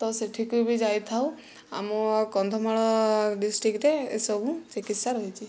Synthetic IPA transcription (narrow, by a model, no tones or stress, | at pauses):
t̪ɔseʈʰikubʱid͡ʒajt̪ʰaw | amɔkɔnd̪ʱɔmaɭɔɖisʈɾikɾeḛsɔbũt͡ʃikit̪saɾɔjt͡ʃʰi